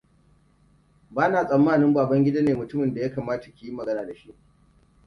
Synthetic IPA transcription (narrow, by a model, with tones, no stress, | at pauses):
baː˦naː˨sʼɐ˨mːaː˦˨nɪ˦mbaː˨bɐ˦ŋɡʲɪ˦da˦neː˨mʊ˨tʊ˦mɪ˨nda˨ja˦kaː˨maː˦ta˨kʲe˨ji˦mɐ˨ɡɐ˦naː˨da˨ʃi˦ʔ